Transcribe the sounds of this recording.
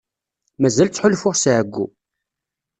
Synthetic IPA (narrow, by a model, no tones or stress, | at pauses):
mæzælt͡sːħʊlfʊʁsʕəɡʷːṵ